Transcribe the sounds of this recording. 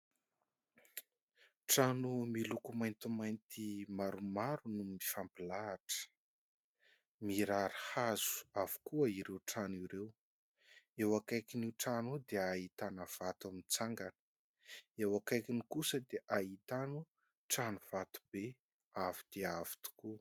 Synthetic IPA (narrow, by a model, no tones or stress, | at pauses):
ʈ͡ʂanumilukumajnt̪umajnt̪imaɾumaɾunumifampilaːʈ͡ʂə̥ | miɾaɾihaz̥u̥av̥u̥kuəiɾewʈ͡ʂaniɾew | ewakajkiniʈ͡ʂanud̪eait̪anəv̥at̪amint͡saŋɡanə̥ | ewakajkinikusəd̪eʔaɦit̪anu | ʈ͡ʂanuv̥at̪u̥be | avid̪̥eavi̥t̪u̥ku